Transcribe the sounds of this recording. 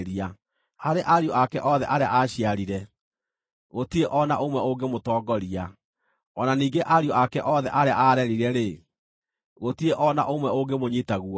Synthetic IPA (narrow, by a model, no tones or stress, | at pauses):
ɾia | haɾeʔaɾjoʔakɛʔɔðɛʔaɾeaaɕiaɾiɾɛ | ɣotieʔɔnaʔomwɛoɡemotɔːɡɔɾia | ɔnaniːŋɡeʔaɾioʔakɛʔɔðɛʔaɾeaʔaɾɛɾiɾɛɾe | ɣotieʔɔna̰ʔomwɛoɡemoɲitaɣuɔ